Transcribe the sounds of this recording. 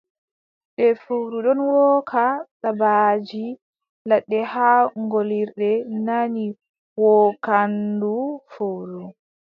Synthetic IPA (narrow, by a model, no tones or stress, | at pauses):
ɗɛfowɾuɗɔnwɔkʰaɗabad͡ʒi | laɗːɛhaŋɡoliɾɗɛnani | wɔkandufowɾu